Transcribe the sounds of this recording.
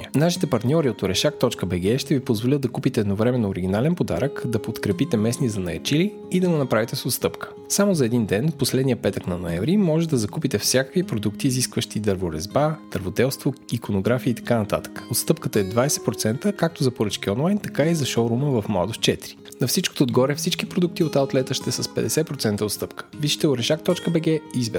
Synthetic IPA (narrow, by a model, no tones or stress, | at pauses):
naʃi̥t̪ɛpɐɾt̪nʲɔɾiot̪oɾɛʃak̚t̪ɔt͡ʃkəbɛɡɛʃt̪ɛvipozvolʲət̪̚d̪ɐkupit̪ɛd̪novɾɛmɛnoːɾiɡʲinalɛnpod̪a̰ɾəkd̪ɐpot̪kɾɛpit̪ɛmɛsnizɐnɐjɐ̰t͡ʃiliːd̪ɐɡonɐpɾavit̪ɛsot̪st̪ɤpkə̥ | samozɐɛd̪ind̪ɛnposlɛd̪nijəpɛt̪əknɐnoɛɱvɾimɔʒɛt̪d̪ɐzɐkupit̪ɛfsʲjakəkvipɾod̪ukt̪iːziskvəʃt̪id̪ɐɾvoɾɛzbad̪̥əɾvod̪ɛlˠst̪voikonoɡɾafiːt̪ɐ̥kanɐt̪a̰t̪ə̥kə̥ot̪st̪ɤpkət̪əɛd̪vajsɛ̥t̪pɾot̪sɛnt̪əkak̚t̪ozɐpoɾɤt͡ʃkiɔnlˠajnt̪ɐkaizɐʃoɾuməvɐfmla̰d̪oft͡ʃɛt̪ɾi̥ | nɐfsit͡ʃko̥t̪oːd̪ɡɔɾɛfsit͡ʃkipɾod̪uk̚t̪iot̪alˠt̪lɛt̪əʃt̪ɛsɐspɛd̪ɛsɛpɾot̪sɛnt̪əot̪st̪ɤpkə̥viʃi̥t̪ɛoɾɛʃak̚t̪ɔt͡ʃkəbɛɡɛizbɛ